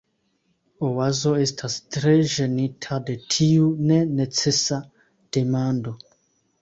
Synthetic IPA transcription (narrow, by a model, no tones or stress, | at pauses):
owazoestʰastɾeʒenitʰadetʰiunenet͡sesa | d̥emando